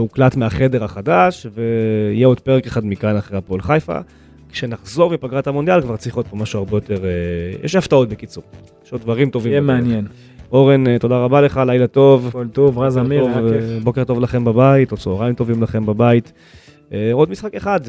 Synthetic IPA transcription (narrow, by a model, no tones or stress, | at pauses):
uklatmeaχe̞deʁaχadaʃveijeo̞d̪̚peekeχadmikanaχʁeapolχajfa̰ | kʃenaχzo̞ʁmipaɡʁatamo̞nd̪jalkvaʁt͡sʁiχot̪̚pomaʃuaʁbe̞jo̞te̞ʁejɛ̰ʃhaftao̞tbekit͡suʁ | jeʃod̪̚vaʁimto̞vimmeanjen | o̞ʁento̞daʁabale̞χalajlato̞volt̪ovʁazaivbo̞ket̪o̞vlaχe̞mbabaitot͡sooʁaimt̪o̞vimlaχe̞mbabait | eo̞dmisχake̞χad̪